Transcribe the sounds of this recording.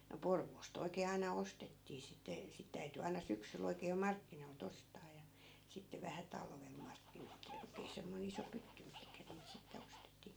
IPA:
no porʋoːst oi̯keː ɑinɑ ostetːiː sitːe sit tæyty ɑinɑ syksyl oikeː jo mɑrkːinoi̯lt ostɑː jɑ sitːe ʋæhæ tɑlʋel mɑrkːin oikeː oikeː semːoi̯n iso pytːy mihkæ niːt sitːe ostetːiː

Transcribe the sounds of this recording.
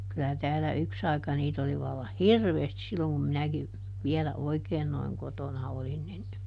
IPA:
kylæ tæːlːæ yks ɑi̯kɑ niːt oli ʋɑlːɑh hirʋeːstis silːoŋ kum minæki ʋiɛlæ oikeːn noiŋ kotonɑ olin nin

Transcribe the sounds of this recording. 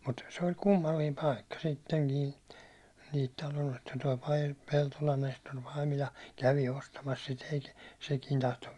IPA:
mut se ol kumːɑlːiːm pɑikːɑ sitːeŋkiː niːt tɑloost toi pɑi peltolɑn nestor pɑimilɑ kæʋi ostɑmɑs sit ei sekiːn tɑhto

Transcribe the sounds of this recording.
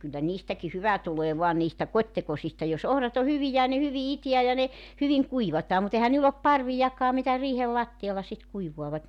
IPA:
kylːæ niːstæki hyʋæ tuleː ʋoɑ niːstæ kotʲtekosistɑ jos ohrɑt o hyʋijæ jɑ ne hyʋi itiæ jɑ ne hyʋiŋ kuiʋɑtɑː mut ehæn niːlː op pɑrʋijɑkːɑː mitæ riːhel lɑtːiɑlːɑ sit kuiʋuɑʋɑt

